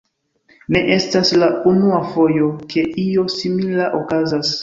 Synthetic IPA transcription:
ne̞ʔe̞staslaunuafo̞jo̞kʰe̞ʔio̞similaʔokazas

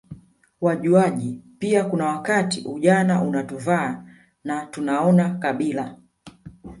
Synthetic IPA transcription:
waʄuaʄipiakunawakatiʔuʄanaʔunatuvaː | natunaɔnakaɓila

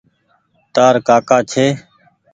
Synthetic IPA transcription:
t̪aːɾkaːkaːt͡ʃʰeː

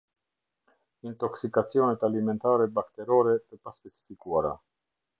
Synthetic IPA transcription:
int̪ɔksikat͡siɔnɛt̪alimɛnt̪aɾɛbakt̪ɛɾɔɾɛp̪əpaspɛsi̥fikuaɾa

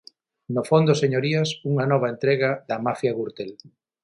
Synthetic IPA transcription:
nofond̪oseɲoɾiɐsuŋɐnɔβ̞aent̪ɾɛɣɐðɐmafjaɣuɾt̪el

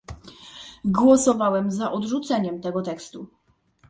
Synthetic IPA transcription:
ɡwɔsɔvawɛmzaʔɔd̪ʐut̪sɛɲɛmt̪ɛɡɔt̪ɛkst̪u

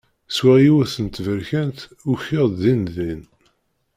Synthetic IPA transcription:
swæjiwæθənt̪ːvəɾçænt̪uçəʁððinðin

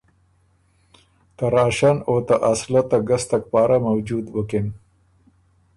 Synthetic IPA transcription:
t̪aɾɑːʃanot̪aʔaslat̪aɡast̪ak̚pɑːɾamawd͡ʒud̪bəkɪn

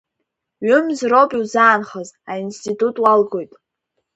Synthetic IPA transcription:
ɥʏmzropʼiwzaːnχəzainstʰitʼutʼwalɡo̞jtʼ

